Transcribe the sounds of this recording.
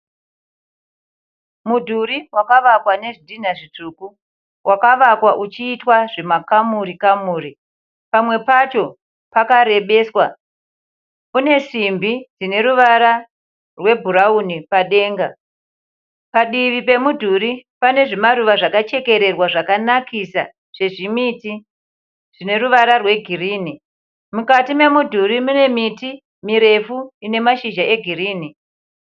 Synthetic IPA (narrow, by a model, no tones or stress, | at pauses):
mudʱuɾiwakaʋakwane̞ʐidʱin̤aʐituːku | wʔakaʋakwaʔut͡ʃiːtwaʐemakamuɾikamuːɾi | pamwe̞pat͡ʃo̞ | pakaɾe̞ɓe̞ːswa | une̞simbid͡zine̞ɾuʋaɾa | rwe̞bʱuɾaunipaɗe̞ːŋɡa | paɗiʋipe̞mudʱuɾipane̞ʐemaɾuʋaʐakat͡ʃe̞ke̞ɾe̞rwaʐakanakʰisa̰ | ʐ̥e̞ʐimiti | ʐ̥ine̞ɾuʋaɾarwe̞ɡʱiriːni | mukatime̞mudʱuɾimune̞miti | miɾe̞fuine̞maʃiʒaʔe̞ɡʱiriːni